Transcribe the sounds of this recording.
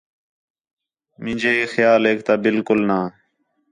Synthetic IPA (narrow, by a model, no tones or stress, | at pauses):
mɪ̃ːd͡ʒʱeːxjaːlɦeːk̚t̪aːbɪlkʊlnaː